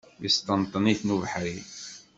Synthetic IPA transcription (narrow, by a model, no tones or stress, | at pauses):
list̪ənt̪ˤniθnuvħɾi